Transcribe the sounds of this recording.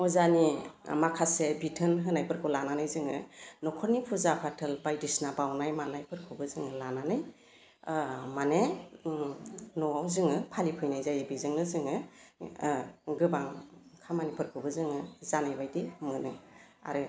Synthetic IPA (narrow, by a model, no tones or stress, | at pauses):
ɔzanimakʰasebitʰɯnɦɯnajpʰɯɾkʰɯlananajzɯŋɯ̰nɔkʰɔɾnipʰuzapʰatʰɯlbajdisnabawnajmanajpʰɯɾkʰubɯzɯŋɯlananaj | mane | nɔawzɯŋɯpʰalipʰɯjnajzajbizɯŋnɯzɯŋɯ | ɡɯbaŋ | kʰamanipʰɯɾkʰɯbɯzɯŋɯzanajbajdimɯnɯa̰ɾɯ